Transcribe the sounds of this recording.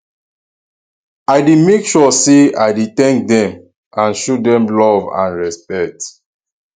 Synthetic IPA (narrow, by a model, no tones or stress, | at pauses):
aɪdimekʃɔseaɪditɛ̃ŋk̚dɛ̃m | ãnʃodɛ̃mlɔvã̰nɹɛspɛk̚t